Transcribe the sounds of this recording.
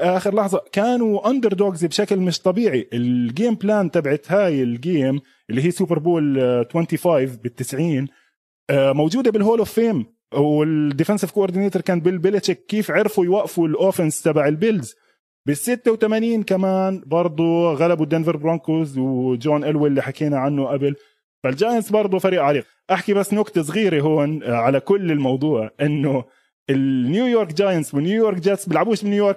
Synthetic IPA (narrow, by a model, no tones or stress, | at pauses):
ʔaːxɪɾlɑħðˤɑkaːnuʔand̪ɪɾˤd̪oːkzbʃaklmɪʃt̪ˤɑbiːʕiʔɪlɡeːmblaːnt̪abʕat̪haːjɪlɡeːm | ʔɪlːiɦiːsuːpɪɾˤboːlt̪wɛnt̪ifaːjvbɪt̪ːɪsʕiːn | mawd͡ʒuːd̪abɪlɦoːlofːeːm | wɪd̪ɪfɛnsɪvkoʔoɾd̪ɪneːt̪ʊɾˤkaːnbɪlbɪlɪd͡ʒɪkːiːfʕɪɾfujwaʔfulʔoːfɪnst̪abaʕɪlbɪlz | bɪsːɪt̪ːawt̪amaniːnkamaːnbɑɾˤd̪ˤuɣalabud̪anvɪɾbɾɑnkozwd͡ʒoːnʔalwalːiħakiːnaʕanːʊʔabɪl | fald͡ʒaːjansbɑɾˤd̪ˤufaɾiːʔʕaɾiːq | ʔaħkibasːnʊɡt̪as̬ˤɣiːɾeɦoːnʕalakʊlːɪlmɑwd̪ˤuːʕʔɪnːʊ | ɪlːjuːjoːɾkd͡ʒaːjanswɪnjuːjoːɾˤkd͡ʒaːt̪sbɪlʕabuːʃbɪnjujoːɾk